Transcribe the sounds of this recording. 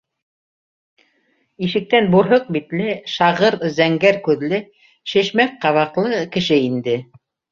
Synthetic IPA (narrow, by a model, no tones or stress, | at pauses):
iʃɘ̆k̚t̪ænbuɾɦoq̚bit̪lɘʃɑʁɤɾzæŋɡæɾkʉðlɘ | ʃɘ̆ʃmæk̚qɑβɑqlˠɤkɘ̆ʃɘind̪ɘ